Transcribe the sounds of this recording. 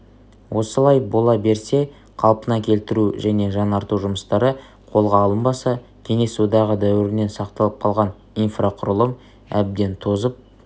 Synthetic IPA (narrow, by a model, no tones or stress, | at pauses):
wʔo̞səlˠɑjbo̞lˠɑbe̞ɾse̞ | qʰɑlˠpənɑkʲʰe̞lt̪ɪɾuʒæne̞ʒɑnɑɾt̪uʒʊməst̪ɑɾə | qʰo̞lˠʁɑːlˠəmbɑsɑ | kʲʰe̞ŋe̞sud̪ɑʁəd̪æwɪɾɪne̞nsɑq̚t̪ɑlˠəp̚qʰɑlˠʁɑn | ijnfraqʰʊɾəlˠəm | æb̚d̪e̞nt̪ʰo̞zəp̚